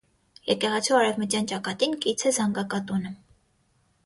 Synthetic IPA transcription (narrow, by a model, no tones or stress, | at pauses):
jɛkɛʁɑt͡sʰuɑɾɛvmət̪jɑnt͡ʃɑkɑt̪inkʼit͡sʰɛzɑŋɡɑkɑt̪unə